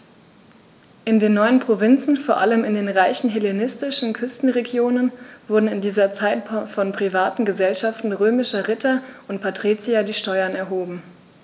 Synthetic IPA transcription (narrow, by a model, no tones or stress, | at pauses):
ʔɪndeːnːɔʏənpʁ̥ovɪnt͡sn̩foːɐʔaləmɪndeːnʁaɪçn̩ɦelenɪstɪʃn̩kʰʏstn̩ʁeɡjoːnənvʊɐdn̩ɪndiːzɐt͡saɪtfɔnpʁ̥ivaːtn̩ɡəzɛlʃaftn̩ʁøːmɪʃɐʁɪtʰɐʔʊntpʰatʁ̥it͡siadiːʃtɔʏɐnɛɐɦoːbm̩